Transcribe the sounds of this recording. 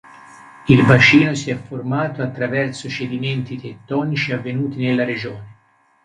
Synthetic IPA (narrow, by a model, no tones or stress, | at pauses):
ilbat͡ʃiːnosiɛfːormaːt̪oat̪ːɾavɛrt̪sot͡ʃed̪iment̪it̪et̪ːɔːnit͡ʃiavːenuːt̪inelːaɾed͡ʒoːne